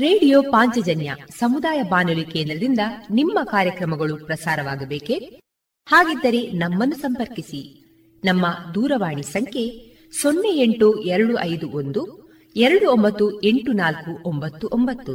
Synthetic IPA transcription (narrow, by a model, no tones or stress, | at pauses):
ɾeːɽijoːpaːɲt͡ʃɐd͡ʒɐnjɐsɐmud̪aːjɐbaːnulikeːnd̪ɾɐd̪ind̪ɐnimːɐkaːɾjɐkɾɐmɐɡɐɭupɾɐsaːɾɐʋaːɡɐbeːke | haːɡid̪ːɐɾe̞nɐmːɐnːusɐmpɐɾkisi | nɐmːɐd̪uːɾɐʋaːɳisɐŋkʰe̞ | sonːeeɳʈuɛɾɐɽuʔɐjd̪uʔond̪u | ɛɾɐɽuombɐt̪ːue̞ɳʈunaːlkuʔombɐt̪ːuʔombɐt̪ːu